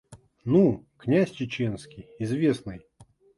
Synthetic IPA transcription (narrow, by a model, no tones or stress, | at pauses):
nuknʲæsʲt͡ɕɪt͡ɕenskʲijɪzvʲesnɨj